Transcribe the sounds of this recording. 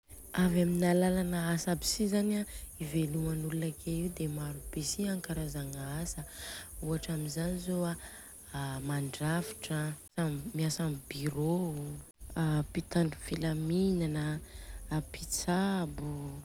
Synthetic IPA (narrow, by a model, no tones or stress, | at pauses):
avaminalalanəasabi̥sizanaivelumanulunakʰeiud̪emaɾub̥esiaŋkaɾazaŋaasəuɦaʈ͡ʂaminzanizoa | maɳɖ͡ʐafi̥ʈ͡ʂə | ammiasambiɾo | pit̪aɳɖ͡ʐufilaminanə | pit͡sabu